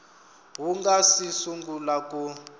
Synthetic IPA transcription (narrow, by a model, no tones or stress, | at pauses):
ɦuŋɡasisuŋɡulakʼu